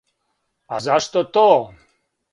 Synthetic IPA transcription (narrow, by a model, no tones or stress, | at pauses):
azaʃt̪ot̪o